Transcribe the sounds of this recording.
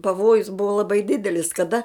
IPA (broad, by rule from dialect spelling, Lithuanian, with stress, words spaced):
pɐˈʋoːjʊs ˈbʊʋoː lˠɐˈbɐɪ ˈdʲɪdʲɛlʲɪs kɐˈdɐ